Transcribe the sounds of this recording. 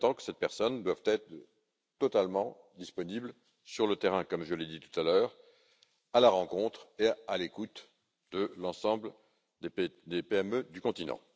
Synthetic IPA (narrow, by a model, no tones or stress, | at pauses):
t̪ɑ̃kə̥sɛt̪̚pɛʁsɔnd̪wavt̪ɛt̪χ | t̪ɔt̪almɑ̃ | d̪ispɔnibl | syʁlət̪ɛʁɛ̃kɔmʒəled̪it̪u̥t̪alœːʁ | alaʁɑ̃kɔ̃t̪χealekut̪ | d̪əlɑ̃sɑ̃bl | d̪ed̪epeɛmød̪ykɔ̃t̪inɑ̰̃